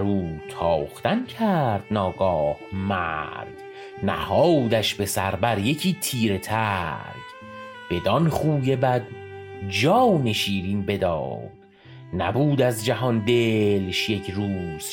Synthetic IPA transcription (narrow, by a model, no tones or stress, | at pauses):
æɾuːt̪ʰɒːχt̪æncʰæɾd̪̥̚nɒːɡɒːhmæɾd̪̥ | næ̰hɒːd̪æʃbe̞sæɾbæɾje̞cʰiːt̪ʰiːɾet̪ʰæɾd̪̥ | b̥e̞d̪ɒnχuːje̞bæd̪̚ | d͡ʒɒːwne̞ʃiːɾiːmbe̞d̪ɒ̰ːd̪̥ | næ̰buːd̪æzd͡ʒæɦɒnd̪elʃje̞cʰɾuːz̥